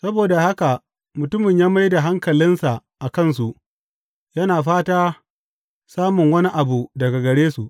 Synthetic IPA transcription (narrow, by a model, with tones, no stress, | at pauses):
sɐ˦boː˨da˨ha˦ka˨ | mʊ˨tʊ˦mɪ˨ɲjaː˦mɐ˦jda˨ɦa˦ŋkɐ˨lɪ˦nsa˨ʔa˨kɐ˦ns̬u˨ʔ | jɐ˦naː˨ɸaː˦taː˦ | saː˦mʊ˨ŋwɐ˦ni˦ʔa˨bu˨dɐ˨ɡa˨ɡɐ˨ɽeː˦su˨ʔ